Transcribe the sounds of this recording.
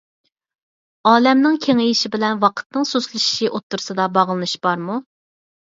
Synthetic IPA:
ɑːlɛmnɪŋkʲʰeŋɪjiʃɪbɪlɛnwɑqʰə̥t̪̚nɨŋsoslˠɨʃi̥ʃiʔot̪ːuɾsɨd̪ɑbɑʁlˠɨnɨʃb̥ɑɾmu

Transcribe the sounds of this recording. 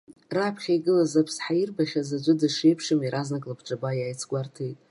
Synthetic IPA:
rapʰχʲajɡɨlazapʰsħajirbaχʲazad͡ʒʷʼɨdɨʂejpʰʂɨmiɾʔaznakʼlapʰʈ͡ʂʼabajajt͡sʰɡʷartʰejtʼ

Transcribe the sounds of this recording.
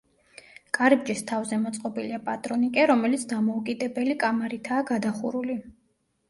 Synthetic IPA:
kʼaɾib̚d͡ʒist̪ʰavzɛmɔt̪sʼqʼɔbiliapʼat̪ʼɾɔnikʼɛɾɔmɛlit̪sʰd̪amɔukʼid̪ɛbɛlikʼamaɾit̪ʰaːɡad̪aχṵɾuli

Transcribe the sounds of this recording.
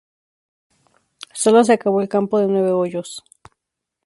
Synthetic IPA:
solos̬eakaβoelkampoðenweβeojos

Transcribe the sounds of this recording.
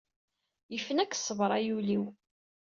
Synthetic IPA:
jəfənækːsˤːəvɾˤɑjuliw

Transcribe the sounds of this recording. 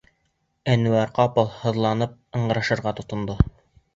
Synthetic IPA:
ænuæɾqɑpɤlˠhɤ̆ðlˠɑnɤp̚ɤ̆ɴɢɤ̆ɾɑ̆ʃɤ̆ɾʁɑt̪ŏt̪ŏnd̪o

